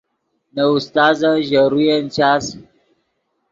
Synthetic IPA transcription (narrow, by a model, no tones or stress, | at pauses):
naust̪aːzaʒaɾujent͡ʃaːs